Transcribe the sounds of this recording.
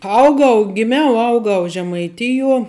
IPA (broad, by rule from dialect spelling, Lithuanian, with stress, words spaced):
ˈɐʊɡɐʊ ɡʲɪˈmʲɛʊ ˈɐʊɡɐʊ ʒʲɛmɐɪˈtʲɪjuɔ